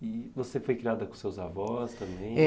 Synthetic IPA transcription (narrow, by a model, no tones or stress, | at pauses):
ɪvosefojkɾiad̪ɐkõsewzavɔst̪ɐ̃mbẽj̃